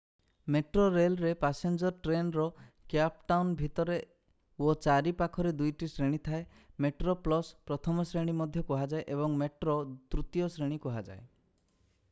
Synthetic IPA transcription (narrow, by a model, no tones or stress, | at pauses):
meʈɾoɾelɾepasend͡ʒɔɾʈɾenɾɔkjap̚ʈawnbʱit̪ɔɾe | ot͡ʃaɾipakʰɔɾed̪ujʈisɾeɽ̃it̪ʰae | meʈɾoplɔspɾɔt̪ʰɔmɔsɾeɽ̃imɔd̪ʱjɔkɔɦad͡ʒaeʔebɔŋmeʈɾot̪ɾut̪jɔsɾeɽ̃ikɔɦad͡ʒa̰e